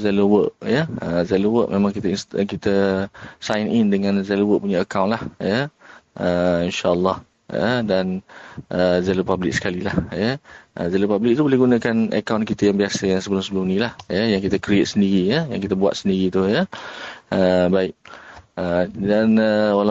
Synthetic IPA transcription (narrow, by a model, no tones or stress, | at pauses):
zɛlowəʔjəəzɛlowəʔ̚mʔẽmãŋkit̪ainst̪kit̪əsajnindəŋãnzɛlowəʔ̚puɲaəkawnʔlahjəʔəinʃaəlːɑh | jə̰danʔəzelopablɪk̚sə̥kalilahjəʔəzɛlopablik̚t̪ubolɛhɡunakanə̰kawnkit̪ajaŋbiasəjaŋsəbəlʊmsəbəlumnĩlahjəjaŋkit̪əkɾiet̪səndiɾijəjaŋkit̪əbua̰t̪̚səndiɾit̪ujə | əbaɪk̚ədanəwala